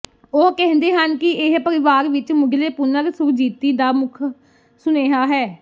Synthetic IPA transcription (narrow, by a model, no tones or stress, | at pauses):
oːkɛ̃ɦnd̪eːɦənkɪɪɦpəɾɪʋaːɾʋɪt͡ʃmʊɡleːpʊnəɾsʊkʰd͡ʒiːt̪iːd̪aːmʊkʰ | sʊneːɦaːɦɛː